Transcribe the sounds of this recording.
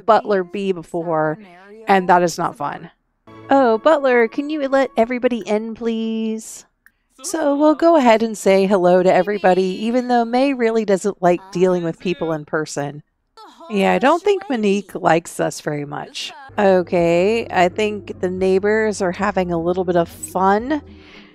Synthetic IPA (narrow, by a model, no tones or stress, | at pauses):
b̥ʌʔlə˞bibəfɔɹ | ʔɨ̃nðəɾɨznə̰tfʌ̰̃n | ʔoʊbʌʔˡlə˞kʰɨ̃njɨlɛɾɛvɹibɑɾiʔɪ̃npʰl̥iz̥ | soʊwilˠɡoʊəɦɛɾɨ̃nseɪɦəloʊɾɨɛvɹibɑɾiivɨ̃nðoʊmeɪɹɪlˠidʌzə̃nʔlaɪk̚d̥ilˠɪ̃ŋwɨð̥pʰipl̩ˠə̃npʰɜ˞sɨ̃n | jæaɪdõʊ̃nθɪ̃ŋk̚mɨnikʰla̰ɪksʌ̰sv̥ɛɹimʌ̰t͡ʃoʊkʰeɪa̰ɪθɪ̃ŋk̚ðɨneɪbə˞zə˞hævɪ̃ŋəlɪɾl̩ˠbɪɾʌv̥fʌ̃n